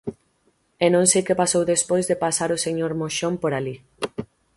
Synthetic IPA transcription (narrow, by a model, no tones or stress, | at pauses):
enõŋsejkepasowðespojzðepasaɾoseɲoɾmoʃompoɾali